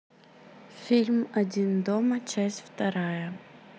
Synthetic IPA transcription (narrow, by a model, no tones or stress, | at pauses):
fʲilʲmɐdʲind̪ɔmɐt͡ɕasʲtʲft̪ɐɾajɐ